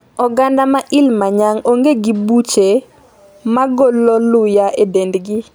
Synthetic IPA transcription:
ɔɡandamaʔɪlmaɲaŋoŋɡeɡibut͡ʃe | maɡɔlːɔlʊjaʔedendɡɪ

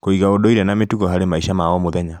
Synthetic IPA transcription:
koiɣaodoiɾɛnametuɣɔɦaɾemaiʃamaɔmoðɛɲa

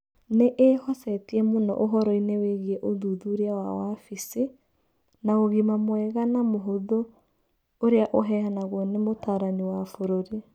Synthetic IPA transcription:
neʔehɔsɛtiɛmonɔ̰ʔoɦɔɾɔineweɣiɛʔoðuðuɾeawa̰wafise | naoɣimamwɛɣanamoɦoðo | oɾeaʔoɦɛhanaɣwɔnemotaɾaniwafoɾoɾe

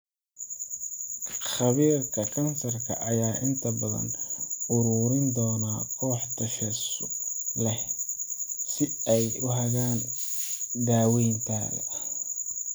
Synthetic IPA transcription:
χɐβiːrkʰɐkʰɐnsɐrkʰɐ̰ʔɐjaːʔɪnt̪ʰɐbɐðɐ̰nʊɾuːɾɪnd̪ɔːnaːkʰɔːħt̪ʰɐʃɛsʊlɛh | sɪɛjʊɦɐɣaːn | d̪aːwɛjnt̪ʰa̰ːɣɐ̰

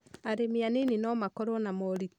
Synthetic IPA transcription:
aɾemeanenenɔmakɔɾɔnamɔɾi

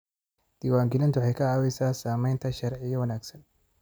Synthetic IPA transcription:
d̪̥iːwaːŋɡɪlɪnt̪ʰwħɑjkʰɐʕaːwɛjsaːsaːmɛjnt̪ʰɐʃɐɾʕɪjɐwɐnaːɡsɐn

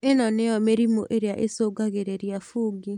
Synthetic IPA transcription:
enɔneɔmeɾimoʔeɾeaʔesoːɡaɣeɾeɾjafuːɡi

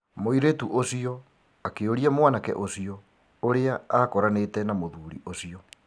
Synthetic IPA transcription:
moiɾetuʔosiɔ | akeoɾiamwanakɛ̰ʔosiɔ | oɾeaakɔɾanetɛnamoðuɾḭʔosiɔ

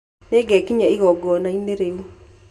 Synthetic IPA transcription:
neɡɛkiɲaiɣɔɡɔnaineɾeu

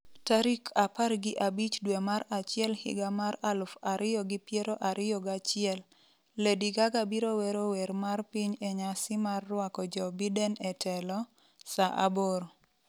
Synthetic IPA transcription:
taɾikʰaparɡɪʔabit͡ʃdwemaɾat͡ʃɪɛlhɪ̰ɡamaɾalfaɾʔɪjɔɡɪpjeɾoʔaɾɪjɔɡat͡ʃɪɛlː | ediɡaɡabiɾowɛɾowɛɾmarpiɲɛɲasɪmarːwakɔd͡ʒɔbidɛnɛtʰɛlɔ | saʔa̰boɾo

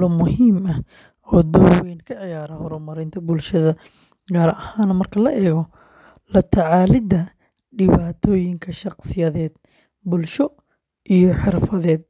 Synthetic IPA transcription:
lɔmʊhiːmɐ | ɔːd̪ɔwɛjnkʰɐʕɪjaːɾɐhɔɾʊmɐɾɪnt̪ʰɐbʊlʃɐðɐ | ɡaːɾɐhaːnmɐrkʰɐlɐʔɛːɣɔ | lɐt̪ʰɐʕɑːlɪd̪ɐ | ɖɪβaːt̪ʰɔːjɪŋkʰɐʃɑqsɪjɐðɛːd̪̥̚ | bʊlʃɔ | ʔijɔħɪrfɐðɛːd̪̚

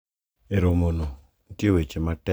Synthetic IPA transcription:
eɾomono | kewet͡ʃematɛ

